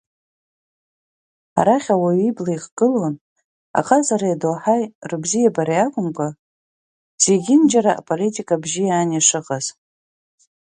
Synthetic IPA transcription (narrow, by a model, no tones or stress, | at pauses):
a̰ɾaχʲawaɥiblaiqɡ̥ɨlon | a̰qʼazaɾajadoħajrɨbzijabaɾajakʷʼʊmkʷʼa | z̥eɡʲɪnd͡ʒaɾaʔa̰pʼolitʼikʼabʒijaːniʂɨqʼaz̥